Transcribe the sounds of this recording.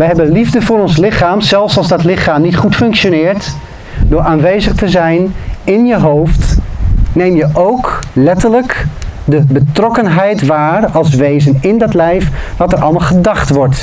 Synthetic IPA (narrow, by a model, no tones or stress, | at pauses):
ʋəjɦɛbənlivdəvʊːɾɔnslɪχaːmzɛlˠfsɑlˠzdɑtlɪχaːmnitχutfɵŋkʃonɪːɹt | dʊːɹaːnʋejzəχtəzɛjnɪnjəɦowft | nejmjəʔowklɛtəɹləkdəbətrɔkənɦɛjtʋaːrɑlˠs̬ʋejzənɪndɑtlɛjfʋɑtəɹʔɑ̰lˠmaːlˠχədɑχtʋɔɹt